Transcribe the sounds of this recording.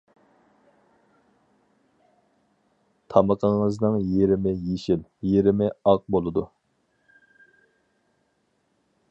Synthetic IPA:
t̪ʰɑməqʰəŋəznɨŋjeɾɪmɪjeʃɪljeɾɪmɪɑq̚bolˠɨd̪u

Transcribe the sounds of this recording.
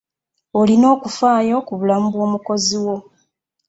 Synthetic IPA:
olino̞ːkufaːjo̞kuβulamuβwo̞ːmuko̞ziwo̞

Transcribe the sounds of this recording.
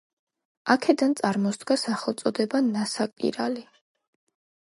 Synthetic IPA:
akʰɛd̪ant̪sʼaɾmɔsd̪ɡasaχɛlˠt̪sʼɔd̪ɛbanasakʼḭɾali

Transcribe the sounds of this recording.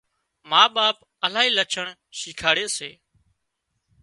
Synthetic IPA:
maːɓaːp̚ | əlaːɦiːlət͡ʃʰəɳ | ʃiːkʰaːɽeːsḛː

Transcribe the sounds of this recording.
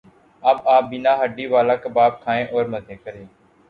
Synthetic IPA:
əbaːp̚bɪnaːɦəɖiːʋaːlaːkəbaːp̚kʰaːẽːʔɔːɾməzẽːkəɾeː

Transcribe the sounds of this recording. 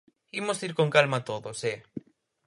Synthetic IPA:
imosiɾkoŋkalmat̪oðose

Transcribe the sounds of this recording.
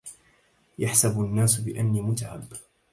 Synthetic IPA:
jaħsabanːaːsbɪʔanːiːmʊt̪ʕa̰b

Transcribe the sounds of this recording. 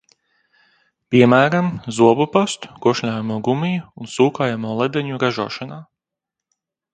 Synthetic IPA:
piɛmæːɾamzuɔbupast̪u̥kuɔʃlʲaːjamuɔɡumijuːnsuːkaːjamuːlˠɛd̪ɛɲuɾaʒṵːʃanaː

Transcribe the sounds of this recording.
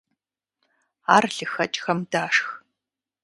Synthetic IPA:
aːrɬɨxɐt͡ʃʼxɐmdaːʂx

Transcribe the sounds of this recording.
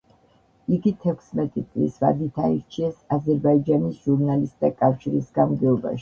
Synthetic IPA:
iɡit̪ʰɛkʰsmɛt̪ʼit̪sʼlḭsva̰d̪it̪ʰaiɾt͡ʃʰiɛsazɛɾbaid͡ʒanisʒ̥uɾnalist̪̚ʼd̪akʼafʃiɾisɡamɡɛɔba̰ʃi̥

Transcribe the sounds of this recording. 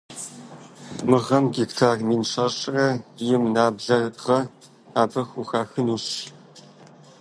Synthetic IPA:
mɨʁɐmɡiktʰaːrmiːnʂaɕʼɐrɐjɪmnaːbɮɐʁɐ | aːbɐxuxaːxɨnuːɕ

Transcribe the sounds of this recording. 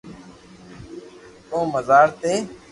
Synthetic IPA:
k̪õːməzaːɾt̪eː

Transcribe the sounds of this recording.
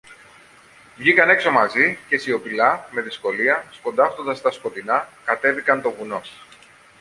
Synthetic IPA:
vʝikɐne̞kso̞mɐzice̞sio̞pilɐme̞ðisko̞liɐsko̞nd̪ɐft̪o̞nd̪ɐst̪ɐsko̞t̪inɐkɐt̪e̞vikɐnt̪o̞ɣuno̞s

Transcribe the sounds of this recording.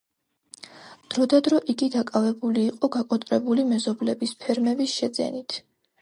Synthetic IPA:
d̪̥ɾɔd̪ad̪ɾɔʔiɡid̪akʼavɛbuliːqʼɔɡakʼɔt̪ʼɾɛbulimɛzɔblɛbispʰɛɾmɛbisʃɛd̪zɛ̰nit̪ʰ

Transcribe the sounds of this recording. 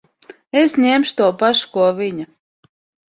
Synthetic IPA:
esɲɛmʃu̥t̪uɔpaʃu̥kuɔviɲa

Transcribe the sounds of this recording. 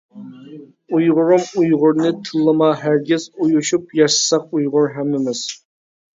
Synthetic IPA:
ujʁʊɾʊmujʁʊɾnɨt̪ʰɨlˠːɨmɑɦæɾɡʲɪzujuʃupjɑʃɨ̥sɑq̚ujʁʊɾɦæmːɪmɪz̥

